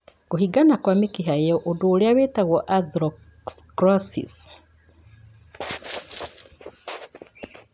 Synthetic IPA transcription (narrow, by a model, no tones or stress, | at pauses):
koɦiɡanakwamikiɦajɔʔodoːleaβetaɣɔʔadɾɔ | skɾɔsḭs